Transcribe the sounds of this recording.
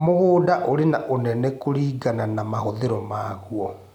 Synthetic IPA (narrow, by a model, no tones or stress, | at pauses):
moɣoːdaʔoɾenaʔonɛnɛkoɾiːɡananamahoðeɾɔmaɣuɔ